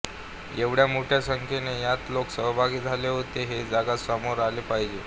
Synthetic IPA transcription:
eʋɽjamoʈʰjasəŋkʰenejat̪loksəɦbʱaɡiːd͡zʱaleɦot̪eɦed͡zaɡasamoɾalepaɦid͡ʑe

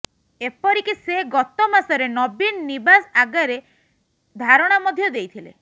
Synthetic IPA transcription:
epɔɾikiseɡɔt̪ɔmasɔɾenɔbinnibasaɡaɾe | d̪ʱaɾɔɽ̃amɔd̪ʱjɔd̪ejt̪ʰilḛ

